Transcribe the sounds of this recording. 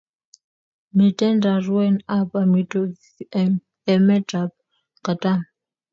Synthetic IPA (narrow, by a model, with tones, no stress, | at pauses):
mi˨tʼɛ˦ndʱa˨rwɛ˦na˦pʼa˨mi˨tʼo˦ | ɛ˨mɛ˦da˨p̚ | ka˨tʼa˦m